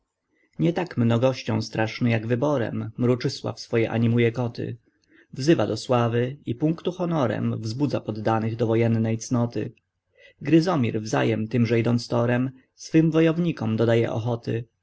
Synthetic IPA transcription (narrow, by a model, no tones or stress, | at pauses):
ɲɛt̪akmnɔɡɔɕt͡ɕɔ̃w̃st̪ɾaʂnɘjaɡvɘbɔɾɛ̰mːɾut͡ʂɘswa̰fsfɔjɛʔa̰ɲimujɛkɔt̪ɘ̰ | vzɘvad̪ɔswavɘipũŋkt̪uxɔnɔɾɛ̰mvzbud̪zapɔd̪ːanɘɣd̪ɔvɔjɛnːɛjt̪snɔt̪ɘ̰ | ɡɾɘzɔmʲiɾvza̰jɛmt̪ɘmʐɛid̪ɔnt̪st̪ɔɾɛm | sfɘmvɔjɔvɲikɔmd̪ɔd̪ajɛ̰ʔɔ̰xɔt̪ɘ̰